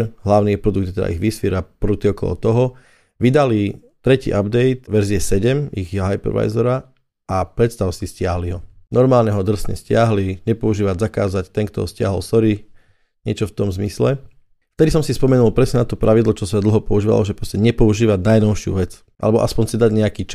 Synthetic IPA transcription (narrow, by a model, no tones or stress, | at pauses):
ɦlaʊnipɾɔd̪uɡd̪ɛt̪ɛd̪a̰ʔḭɣʋisfiɾapɾut̪iɔkɔlɔ̰t̪ɔɦɔ | ʋid̪ali | t̪ɾɛcḭːʔabd̪ɛjt̪ʋɛɾziɛsɛɟɛmiɣjɦajpɛ̰ɾʋa̰jzɔɾa | apɾɛt̪st̪aʊsiscɪaɦliɦɔnɔɾmaːlɲɛɦɔd̪r̩sɲɛ̰scɪaɦliɲɛpɔuʒiːʋaɟzakaːzact̪ɛŋkt̪ɔ̰ɦɔscɪa̰ɦɔlsɔɾi | ɲɪɛt͡ʃɔft̪ɔmzmislɛ | ft̪ɛd̪isɔmsispɔmɛnulˠpɾɛsɲɛnat̪ɔpɾaʋid̪lɔt͡ʃɔsɛd̪l̩ɦɔpɔuʒiːʋa̰lɔʒɛpɾɔscɛɲɛpɔuʒiːʋaɟnajnɔʊʃɪṵʋɛt͡s | ʔa̰lɛbɔʔa̰spɔɲsid̪aɟɲɛakiːt͡ʃ